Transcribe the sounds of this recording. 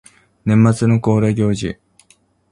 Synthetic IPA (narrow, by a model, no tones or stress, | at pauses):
nẽ̞mːat͡sɨno̞ko̞ːɾeɡʲo̞ːʑḭ